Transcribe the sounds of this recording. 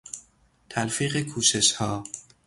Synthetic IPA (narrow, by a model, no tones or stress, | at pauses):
t̪ʰælfiːɣekʰuːʃe̞ʃhɒː